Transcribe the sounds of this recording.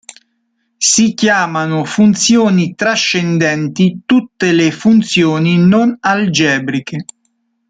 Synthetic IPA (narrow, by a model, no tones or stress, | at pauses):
sikjaːmanʊfunt̪sjoːnit̪ɾaʃːɛnd̪ɛnt̪it̪ut̪ːelefunt̪sjoːninonald͡ʒɛːbɾike